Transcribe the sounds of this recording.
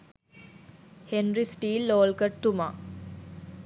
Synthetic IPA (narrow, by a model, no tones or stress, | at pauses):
henɾisʈiːlːoːlkəʈ̚t̪uma